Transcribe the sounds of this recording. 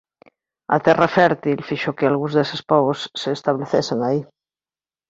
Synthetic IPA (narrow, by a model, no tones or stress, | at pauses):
a̰t̪erafɛɾt̪ilfiʃokealɣuzðesespoβosːeːst̪aβleθeseŋai